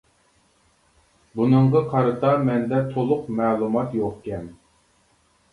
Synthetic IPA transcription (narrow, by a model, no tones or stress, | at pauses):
bunɨɴʁɑqʰɑɾɨt̪ɑmɛnd̪ɛt̪ʰolˠʊqmæːlˠumɑt̪joχkʲɛm